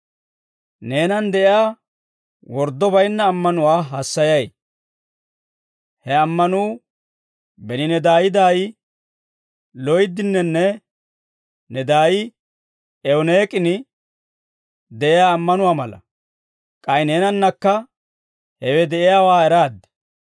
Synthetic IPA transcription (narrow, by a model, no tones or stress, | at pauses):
neːnɐnd̪ɛʔɪjaː | wɔɾd̪ːɔbɐjnːɐːmːɐnʊwaːɦɐsːɐjɐj | hɛɐmːɐnuː | bɛnɪnɛd̪aːjɪd̪aːj | lɔjd̪ɪnːɛnːɛ | nɛd̪aːjɪ | ɛɔneːkʼɪnɪ | d̪ɛʔɪjaːmːɐnʊwaːmɐlɐ̰ | kʼɐjɪne̞ːnɐnːɐkːɐ | hɛwɛd̪ɛʔɪjaːwaːɛɾaːd̪ːɛ̥